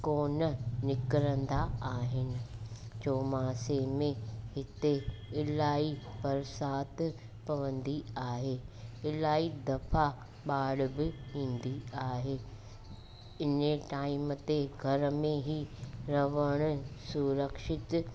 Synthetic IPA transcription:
koːnənɪkɾə̃nd̪aaːɦɪnɪ̆t͡ɕoːmaːsemẽɦɪt̪eɪlaːibɐɾsaːt̪ | pɐʋə̃nd̪iaːɦeːɪlaːid̪ɐfa | ɓaːɽbɪĩːn̆d̪iaːɦeː | ɪneʈaːɪmət̪eɡʱɐɾmẽɦiɾɐʋəɽ̃ʊ̆suɾəkʃɪt̪

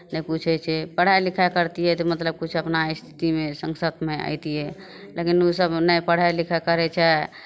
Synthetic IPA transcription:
nɛput͡ʃʰɛt͡ʃʰɛpəɽ̤ajlikʰakəɾt̪iɦɛt̪omət̪ləb̚kut͡ʃʰəpnaist̪ʰi̥t̪imesəŋsət̪meʔə̰jt̪iɛ | lekinosəbnəjpəɽ̤ajlikʰakəɾɛt͡ʃʰɛ

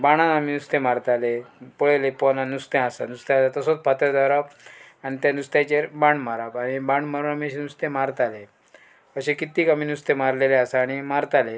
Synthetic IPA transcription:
baɽ̃anaminust̪ẽmaɾt̪alepɔɭelepɔnanust̪ẽasanust̪ãsat̪əsot͡spat̪ad̪aɾap | aɽ̃it̪janust̪jãt͡ɕeɾbaɳmaɾapaɽ̃ibaɳɖmaɾuːnamiəɕenust̪ẽmaɾt̪ale | əɕẽkit̪iːkamiːnust̪emaɾleleasaːɽ̃imaɾt̪ale

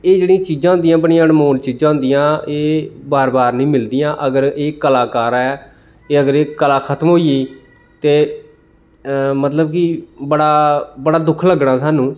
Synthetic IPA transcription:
eːd͡ʒeːɽĩːt͡ʃiːd͡ʒãːɦʊnd̪ijãːbəɳĩːãənmoːnt͡ʃiːd͡ʒãːɦʊ̃nd̪ijãːeːbaːɾbaːɾnĩːmɪld̪ɪjãːʔəɡəɾeːkəlaːkaːɾaːɛː | eːəɡəɾeːkəlaːkʰət̪əmɦoːiiː | t̪eː | mət̪ləb̚kɪbəɽaːbəɽaːd̪ʊkʰləɡɽaːsaːnũː

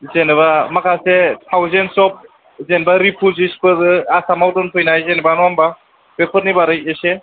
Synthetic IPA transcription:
zenβamakʰasetʰawzensɔp̚ | zenbaɾipʰuzispʰɯɾɯasamawdɔnpʰɔjnajzenbanuamba | b̥epʰɔt̚nibaɾɯjese

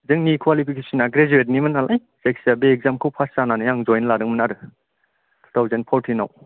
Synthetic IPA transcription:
zɯŋnikʰwalipʰikʰesinaɡɾed͡ʒuet̬̚nimɐnalʔaj | sek̚siabeek̚zamkʰowpʰassananɯjaŋzɔjnlaɾɯŋmɐnaɾɯ | tʰutʰawzenpʰɔɾtʰina̰w

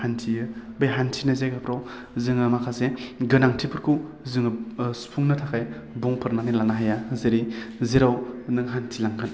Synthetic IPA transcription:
hantʰijɯbajɦantʰinazekʰapʰɾaw | zɯŋɯmakʰaseɡɯnaŋtʰipʰɯɾkʰu | zɯŋɯspʰuŋnɐtʰakʰaj | buŋpʰɯɾnaminlanaɦajazeɾizeɾawnɯŋɦantʰilaŋɡɯn

